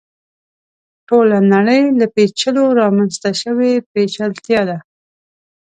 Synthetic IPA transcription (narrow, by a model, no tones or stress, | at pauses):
ʈolanaɽəjlapet͡ʃəloɾɑmanst̪aʃəwepet͡ʃalt̪jɑd̪a